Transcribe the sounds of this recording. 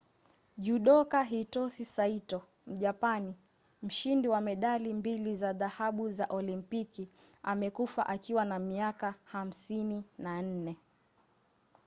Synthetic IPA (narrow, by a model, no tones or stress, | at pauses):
ʄuɗɔkaɦitɔsisaitɔ | m̩ʄapani | m̩ʃindiwamɛɗalimbilizaðahaɓuzaʔɔlimpikiamɛkufa̰ʔakiwanamiakaham̩sininan̩nɛ